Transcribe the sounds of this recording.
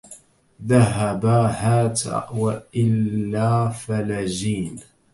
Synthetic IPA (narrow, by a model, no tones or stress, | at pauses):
ðaɦabaːhaːt̪a̰waʔʔɪlːaːfalad͡ʒiːn